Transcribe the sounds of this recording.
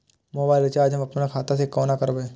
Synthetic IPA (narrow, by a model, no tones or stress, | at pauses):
moːbaːɪlt͡ʃaːd͡ʒɦɐmɐpnakʰaːt̪as̬ekoːnakɐɾbee